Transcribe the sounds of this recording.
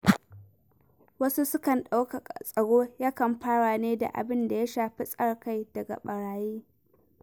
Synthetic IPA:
wɐ˦su˦sʊ˦kɐ˨nɗa˦wka˨a˨sʼɐ˨ɽoː˦jaː˦kɐ˨mɸaː˦ɽaː˨neː˦da̰˨ʔa̰˨bɪ˦nda˨ja˦ʃaː˨ɸi˦sʼɐ˦rka˦˨jd̥ɐ˨ɡa̰˨ɓɐ˨ɽaː˨jiː˦

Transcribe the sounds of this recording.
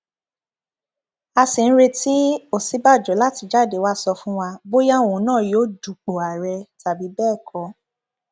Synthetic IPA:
a˧si˨ñ̩˦ɾe˧ti˦o˦˨si˨˦ba˦˨d͡ʒɔ˨˦la˦˨ti˧d͡ʒa˦˨de˨˦wa˦sɔ˧fũ˦wa˧bo˦ja˦˨ũ˨˦nãː˦˨joː˦du˨k͡po˨a˨ɾɛ˧ta˨bi˨˦bɛː˦˨kʰɔ̃˧˦

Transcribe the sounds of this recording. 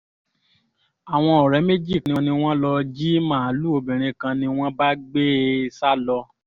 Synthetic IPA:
a˨w̃ɔ̃˧ɔ˨ɾɛ˨˦me˦d͡ʒi˦˨knĩ˧nĩ˧w̃ɔ̃˦lɔ˧d͡ʒi˦mãː˦˨˦lu˦o˧bĩ˨ɾ̃ĩ˧kã˧nĩ˧w̃ɔ̃˦ba˦ɡ͡be˦sa˦lɔ˧

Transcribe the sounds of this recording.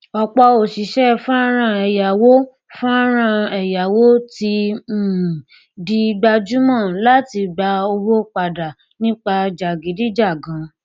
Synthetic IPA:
ɔ˧˨k͡pɔ˧o˨ʃi˨˦ʃɛ˦fũ˦ɾ̃ã˧ɛ˨ja˨wo˦ | fũ˦ɾ̃ã˧ɛ˨ja˨wo˦ti˧˦˨ | di˧ɡ͡ba˧d͡ʒu˦mã˦˨la˦ti˧ɡ͡ba˧o˧ho˦k͡pa˧da˨ | nĩ˦k͡pa˧d͡ʒa˨ɡi˨˦di˦d͡ʒa˦˨ɡã˨˦

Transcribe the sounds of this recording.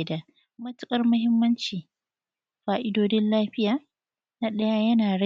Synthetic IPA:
da˨ | mɐ˦tʊ˦kʼɐ˦rmʊ˦ɦɪ˦mːɐ˦nt͡ʃiː˨ | ɸaː˨ʔɪ˦doː˦dɪ˦nlaː˦ɸɪ˦jaː˨ | na˦ɗɐ˦ja˦jɐ˦naː˨ɽɐ˦

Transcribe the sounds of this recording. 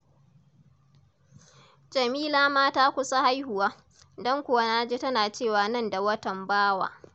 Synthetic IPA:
d͡ʒɐ˨miː˦laː˦maː˦taː˦kʷʊ˦sa˦ha˦jhʊ˨waː˦ | dɔ˦ŋkʷʊ˨wa˦naː˦d͡ʒeː˦tɐ˦naː˨t͡ʃeː˦˨waː˨nɐ˦˨nda˨wɐ˦tɐ˨mbaː˦wa̰ː˨

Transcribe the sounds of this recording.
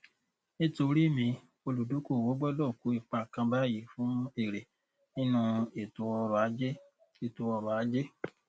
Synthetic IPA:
nĩ˦to˧ɾi˦˨mĩ˧ | o˧lu˨du˨˦ko˦˨wo˨˦ɡ͡bɔ˦lɔ˦˨ku˨˦i˦˨k͡pa˧˨kã˧ba˦ji˨˦˨fũ˨˦e˦˨ɾe˨ | nĩ˦nũ˧e˨tu˨˦wɔ˧ɾɔ˨a˨˦d͡ʒe˦ | e˨tu˧wɔ˧ɾɔ˨a˨˦d͡ʒe˦

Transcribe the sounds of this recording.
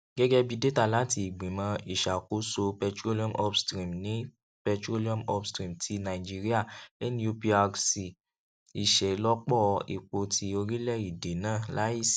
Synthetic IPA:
ɡ̥ɛ˦ɡɛ˦bi˧de˦ta˦˨la˨˦ti˧i˨ɡ͡bẽ˨mã˧i˨ʃa˨ko˨˦so˧pɛ˧tɾo˦li˦ɔ̃˦˨mʔɔ˦pstɾĩ˦˨mnĩ˨˦ | pɛ˧tɾo˦li˦ɔ̃˦mɔ˦pstɾĩ˦˨mtʰi˧nã˨i˨d͡ʒi˦ɾi˦a˦˨lɛ˦nĩ˧˦o˧pi˧a˧ɡsi˨ | i˨ʃɛ˨lɔ˦k͡pɔ˦˧ḭ˨k͡po˧tʰi˧o˧ɾĩ˦lɛ˦˨i˨de˨nãː˦˨la˨˦i˦˨si˨

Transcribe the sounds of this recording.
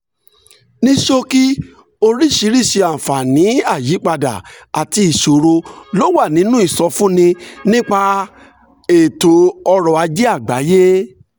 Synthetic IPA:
nĩ˦ʃo˧ki˦ | o˧ɾi˦˨ʃi˨˦ɾi˦˨ʃe˧ã˨fa˨nĩ˨˦a˦˨ji˨˦k͡pa˧da̰˨a˨ti˧i˨ʃo˨ɾo˧lo˦wa˦˨nĩ˨˦nũ˦i˦˨sɔ˧fũ˦nĩ˧nĩ˦k͡pa˧ | e˨to˨ɔ˧ɾɔ˨a˧d͡ʒe˦a˦˨ɡ͡ba̰˨˦je˦

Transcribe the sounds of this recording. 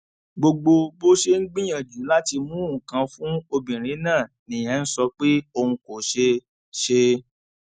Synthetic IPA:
ɡ͡bo˧ɡ͡bo˧bo˦ʃe˦ŋ̩˦ɡ͡bĩ˦j̃ã˦˨d͡ʒu˨˦la˦ti˧mũ˦˨kã˧˦fũ˦o˧bĩ˨ɾ̃ĩ˨˦nãː˦˨ | nĩ˨j̃ã˨˦n̩˦sɔ˧˦k͡pe˦o˧ũ˧ko˨ʃe˧ | ʃe˧

